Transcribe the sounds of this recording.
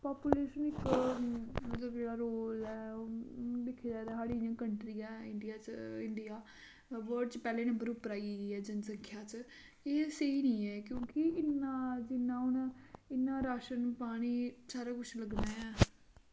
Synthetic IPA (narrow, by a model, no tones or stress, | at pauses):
paːpuːleːʃənɪkː | mət̪ləbd͡ʒeːɽaːɾoːlɛː | d̪ekʰːed͡ʒaːed̪aːɦaːɽiːãːkəɳʈɾijãːɪɳɖɪjaːt͡ʃɪɳɖɪjaː | ʋəɾɖ̚t͡ʃpɛːleːnəmbəɾʊpːəɾaːiɡiːɛːd͡ʒənsəŋkʰjaːt͡ʃ | eːseiːnĩːɛːkjõːkɪɪnːaːd͡ʒɪnːãːɦʊnɪnːãːɾaːʃənpaːɽ̃iːsaːɾaːkʊt͡ʃʰləɡnaːɛː